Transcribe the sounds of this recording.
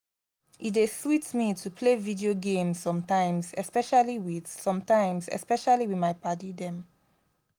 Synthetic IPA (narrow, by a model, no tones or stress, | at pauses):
it̚deswitmitʰupʰlevidioɡẽmzsɔ̃mtãɪ̃mzɛspɛʃaliwiðsɔ̃mtãɪ̃mzɛ̰spɛʃaliwimaɪpatidɛ̃m